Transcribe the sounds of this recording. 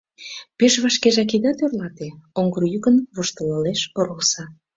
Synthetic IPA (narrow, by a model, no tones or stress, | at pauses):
peʃβɑʃkeʒɑk̬id̪ɑt̪ørlɑt̪eoŋɡərjykənβuʃt̪ə̆ləleʃoɾəlsɑ